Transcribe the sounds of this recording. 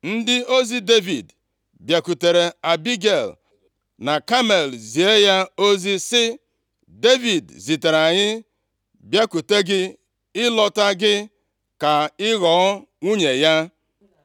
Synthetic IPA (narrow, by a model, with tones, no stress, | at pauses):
n̩˦dɪ˦o˦zi˦de˦vḭ˨d | bja˨ku˨te˨ɾe˨a˨bi˦ɡe˨l | na˨ka˦me˨lzi˨e˦ja˦o˦zi˦sɪ˦ | de˦vi˨dzi˨te˨ɾa˨ɲɪ˦ | bja˦ku˨te˦ɡɪ˦ | ɪ˦lɔ˦ta˦ɡɪ˦ | ka˨ɪ˦ɣɔ˨ɔ˦ŋʷu˦ɲe˨ja˦